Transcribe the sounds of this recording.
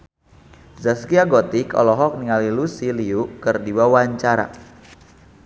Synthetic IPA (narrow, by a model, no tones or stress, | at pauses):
zaskiaɡɔt̪ikɔ̰lɔɦɔk̚niŋalilusiliukərdiwawaɲt͡ʃaɾa̰